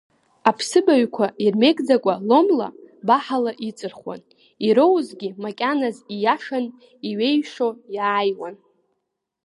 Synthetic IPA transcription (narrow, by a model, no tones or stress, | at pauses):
apʰsɨbaɥkʷʰairme̞kʼd͡zakʷʼalo̞mla̰baħalaʔit͡sʼɨrχwa̰n | iɾowzɡʲimakʲʼanazijaʂan | iɥe̞jʂojaːjwan